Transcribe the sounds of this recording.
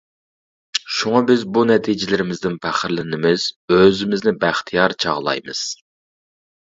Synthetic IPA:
ʃuŋɑbɪzbunɛt̪ʰid͡ʒɪlɪɾɪmɪzd̪ɪnpʰæχɾlɪnɪmɪz̥øzɪmɪznɪbæχt̪ʰijɑɾt͡ʃʰɑ̰ʁlˠɑ̰jmɨ̰z̥

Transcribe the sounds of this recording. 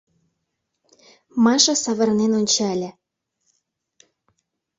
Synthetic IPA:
mɑʃɑ̆sɑβɤ̆rnenonʲt͡ɕɑlʲĕ

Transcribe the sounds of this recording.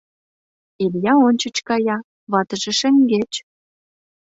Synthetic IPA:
eljɑonʲt͡ɕə̆t͡ɕkɑjɑ | βɑt̪ə̆ʒĕʃĕŋɡet͡ɕ

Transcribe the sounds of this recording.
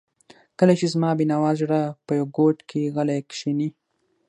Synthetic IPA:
kəlat͡ʃezmɑbinawɑʒɽapəjawɡoʈkʰeɣalakʃini

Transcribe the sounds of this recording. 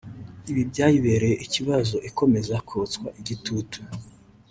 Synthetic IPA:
iβibɟaːjiβeɾejeʔiciβazo̞ʔiko̞me̞zakʰot͡skwaʔiɟitʰutu̥

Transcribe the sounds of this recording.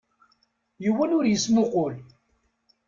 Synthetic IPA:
juwænʊɾjəsmʊqʊl

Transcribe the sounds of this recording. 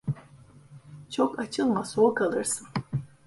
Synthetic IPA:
t͡ʃʰokat͡ʃʰɯlˠmasoːkʰalˠɯɾsɯn

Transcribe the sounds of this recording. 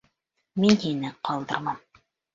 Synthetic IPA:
minhinɘqɑlˠd̪ɤ̆ɾmɑm

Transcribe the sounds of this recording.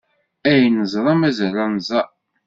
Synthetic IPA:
æjnəzˤɾˤɑmæzəɾˤanzˤɑ

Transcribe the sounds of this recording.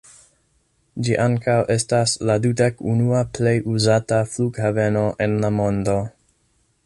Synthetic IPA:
d͡ʒiʔaŋkawʔe̞stasladudekunuaple̞jʔuzatafluɡhave̞no̞ʔe̞nlamo̞ndo̞

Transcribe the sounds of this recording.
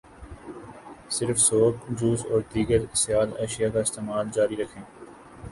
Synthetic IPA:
sɪɾfsoːkd͡ʒuːsɔːɾd̪iːɡəɾsɪjaːlɛːʃijakaɪst̪eːmaːld͡ʒaːɾiɾɐkʰẽː

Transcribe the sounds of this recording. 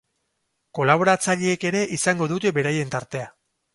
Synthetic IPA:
ko̞laβ̞o̞ɾat͡saʎeeke̞ɾe̞ʔisaŋɡo̞ðut̪e̞be̞ɾaje̞nt̪aɾt̪e̞a

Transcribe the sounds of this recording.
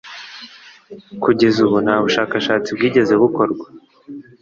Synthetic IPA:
kuɟe̞zuβunaːβuʃaːkaʃaːt͡sibɡiːɟe̞ze̞βuko̞ɾɡwḁ

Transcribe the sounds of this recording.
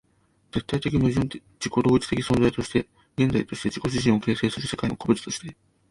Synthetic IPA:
d͡ze̞t̪ːait̪e̞kʲiɲʲoʑĩn | d͡ʑiko̞d̪o̞ːit͡ɕi̥t̪e̞kʲi̥sõnzait̪o̞ɕi̥t̪e̞ | ɡe̞nzait̪o̞ɕi̥t̪e̞d͡ʑiko̞ɕ̬iɕĩo̞ke̞ːse̞ːsɨɾɯsekainoko̞bɯ̟t͡sɨ̥t̪o̞ɕi̥t̪e

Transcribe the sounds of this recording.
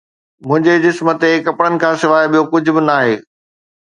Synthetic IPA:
mʊ̃ɦɪ̃ɲd͡ʑed͡ʑɪsmət̪ekɐpɽənɪ̆kʰãːsɪʋaːeɓijokʊd͡ʑʱʊ̆bɪnaːɦeː

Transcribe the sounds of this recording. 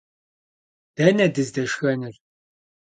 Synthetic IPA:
d̥ɐnɐdɨzdɐʂxɐnɨr

